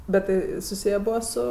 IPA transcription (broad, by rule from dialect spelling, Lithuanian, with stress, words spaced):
bʲɛt ˈtɐɪ sʊˈsʲɪjæː ˈbʊɐ ˈsʊ